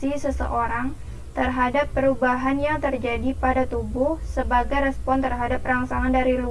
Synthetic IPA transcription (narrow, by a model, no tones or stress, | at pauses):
isəsə̰ʔoɾaŋ | t̪ərɦadapːəɾubaɦanjaŋt̪ərd͡ʒadipadat̪ubʊhsəbaɡajɾɛspɔnt̪ərɦadap̚raŋsaŋandaɾilu